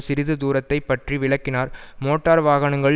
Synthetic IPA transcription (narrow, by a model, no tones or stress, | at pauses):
sɪɾɪðɯd̪uːɾɐt̪ːɐɪpːɐʈriʋɪɭɐkːɪnaːɾmoːʈːaːɾʋaːɣɐɳɐŋɡɐɭ